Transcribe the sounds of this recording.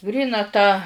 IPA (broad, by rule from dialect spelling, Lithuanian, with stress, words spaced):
ˈɡrʲiːnɐ tɑː